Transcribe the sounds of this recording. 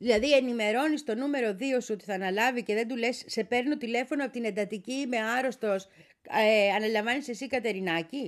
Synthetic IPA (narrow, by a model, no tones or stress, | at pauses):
ðilɐðie̞nime̞ɾo̞nist̪o̞nume̞ɾo̞ðio̞suot̪i̥θɐːnɐlɐvice̞ðe̞nd̪ule̞sːe̞pe̞ɾno̞t̪ile̞fo̞noɐpot̪ine̞nd̪ɐt̪icime̞ɐɾo̞st̪o̞s | ɐnɐlɐɱvɐnise̞sikɐt̪e̞ɾinɐci